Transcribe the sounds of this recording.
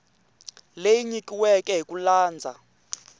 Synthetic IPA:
lejiɲikʼiwɛkʼɛɦikʼulaːnd͡zʱa̰

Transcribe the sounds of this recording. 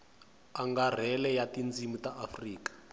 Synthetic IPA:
aŋɡar̤ɛlɛjatind͡zimutaʔafriːkḁ

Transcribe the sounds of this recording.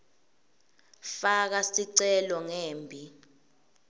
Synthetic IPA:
fak̬asiǀɛlɔŋeːmbʱi

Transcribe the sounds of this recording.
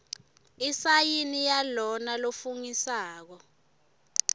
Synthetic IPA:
isajinijalɔnalofuŋisaːk̬ɔ

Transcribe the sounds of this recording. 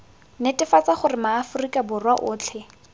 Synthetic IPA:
netʼɪfat͡saχʊrɪmaːfʊrikʼabʊrwaʔʊːt͡ɬʰɛ

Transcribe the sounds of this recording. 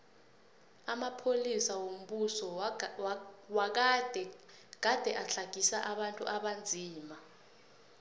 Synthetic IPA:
amapʰolisawom̩ɓusɔ | wak̬dʱ | ɡ̥ad̥ʱɛʔaɬaɡ̥ʱisaʔaɓantʼṵʔaɓand͡zʱiːma

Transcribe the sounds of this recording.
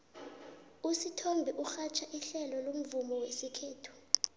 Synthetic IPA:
usitʰɔmbʱɛʔuxat͡ʃʰaʔiɬɛlɔlom̩vumɔwesikʰeːtʰu̥

